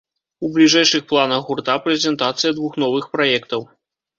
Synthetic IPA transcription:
ublʲiʐɛjʂɨxplˠanɐxɣurt̪apɾɛzʲɛnt̪at̪sɨjɐd̪vuxnɔvɨxpɾajɛkt̪ɐw

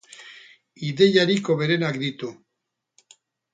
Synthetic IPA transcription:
iðe̞jaɾiko̞βe̞ɾenakd̪it̪u

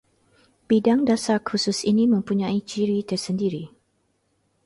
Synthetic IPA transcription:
b̥idaŋdasakʰusʊsinimə̃mpuɲãit͡ʃiɾit̪ərsəndiɾi

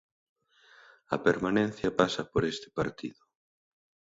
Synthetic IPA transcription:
ɐ̰peɾmanẽnθjɐpasɐpoɾest̪ɪ̥paɾt̪ḭðʊ

